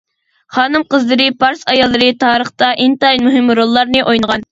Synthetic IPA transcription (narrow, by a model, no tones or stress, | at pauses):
χɑːnɨmqəzlˠɨɾɨpʰɑɾsɑjɑlˠːɨɾɨt̪ʰɑːɾəχt̪ɑʔint̪ɑjmuɦɪmɾolˠːɑɾnɨʔojnəʁɑn